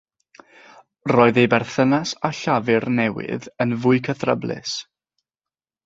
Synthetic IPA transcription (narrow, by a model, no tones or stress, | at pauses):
rɔːɨðejbɛrθənasaɬavɪrnɛwɪ̰ðənvʊɨkʰəθrəblɪ̰s